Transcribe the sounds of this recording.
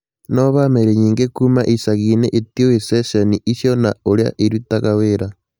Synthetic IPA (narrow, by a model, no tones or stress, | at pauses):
noβameɾeɲiːŋɡekumaʔisaɣineʔitiweseseniʔisjona̰ulja̰ʔiɾitakaweɾa